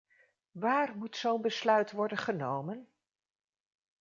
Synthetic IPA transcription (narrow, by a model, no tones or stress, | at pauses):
ʋaːrmutsownbəslœɥtʋɔɹdənχənowmən